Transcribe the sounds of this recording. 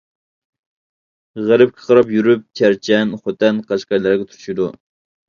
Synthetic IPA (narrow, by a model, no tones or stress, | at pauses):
ʁæɾɪp̚kʲʰɪ̥qʰɑɾɑpjyɾyp̚t͡ʃʲʰæɾt͡ʃʰɛnχot̪ɛnqʰɑʃqɑjlˠɑɾɡʲɛt̪ʰyɾʃid̪u